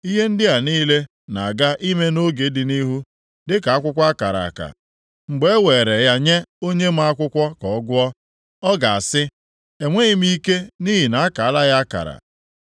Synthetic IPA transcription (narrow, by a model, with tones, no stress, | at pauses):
i˦ɦe˦n̩˦dɪ˦a˨niː˦le˦ | na˨a˨ɡa˦ʔi˦me˦no˦ɡe˨˦dɪ˨ni˦ɦu˦ | dɪ˦ka˨a˦kʷʊ˦kʷa˦ka˨ɾa̰˨ka̰˨ | ŋ͡m̩˨ɡ͡be˦we˨ɾe˨ja˦ɲe˦o˦ɲe˦m̩˦a˦kʷʊ˦kʷɔ˦kɔ˨ɔ˦ɡʊ˦ɔ˦ | ɔ˦ɡa˨a˨sɪ˦ | e˨ŋʷe˦i˦m̩˦i˦ke˦ni˦ɦi˨na˨a˦ka˨a˦la˦ɣa˦a˦ka̰˨ɾa̰˨